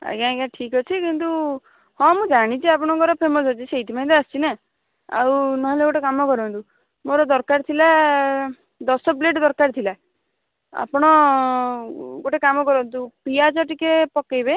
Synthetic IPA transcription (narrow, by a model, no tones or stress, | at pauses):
a̰ɡãkaʈʰikɔt͡ʃʰikint̪u | hɔ̃mũd͡ʒaɽ̃it͡ʃʰiapɔɽ̃ɔɡɔɾɔpʰemɔsɦɔt͡ʃʰisejt̪ʰimaj̃t̪east͡ʃʰina | a̰wnɔɦɔleɡoʈekamɔkɔɾɔnt̪u | moɾɔd̪ɔɾkaɾt̪ʰila | d̪ɔsɔpleʈɔd̪ɔɾkaɾt̪ʰila | a̰pɔɽ̃ɔ | ɡoʈekamɔkɔɾɔnt̪upiad͡ʒɔʈikepɔkejbe